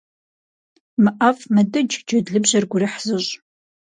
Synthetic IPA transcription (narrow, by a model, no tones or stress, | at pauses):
mɨʔɐfmɐdɨd͡ʒd͡ʒɐdɮɨbʑɐrɡʷʊriħz̥ɨʑʼ